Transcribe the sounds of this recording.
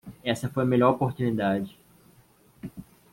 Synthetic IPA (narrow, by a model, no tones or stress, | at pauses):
ɛsɐfojɐmeʎɔɾopoɾt̪unid̪ad͡ʒɪ